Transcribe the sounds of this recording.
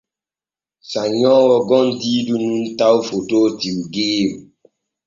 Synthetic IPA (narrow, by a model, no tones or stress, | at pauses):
saɲɔwɔɡɔndidununtawfototiwɡeːwu